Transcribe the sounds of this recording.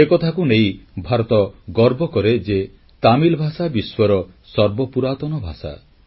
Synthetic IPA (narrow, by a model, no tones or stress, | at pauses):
ekɔt̪ʰakunejbʱaɾɔt̪ɔɡɔɾbɔkɔɾed͡ʒe | t̪amilbʱasabiswɔɾɔsɔɾbɔpuɾat̪ɔnɔbʱa̰sa̰